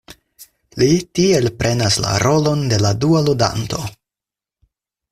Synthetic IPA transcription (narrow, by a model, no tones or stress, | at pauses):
litie̞lpɾʔe̞nasla̰ɾʔo̞lo̞nde̞ladualuda̰nto̞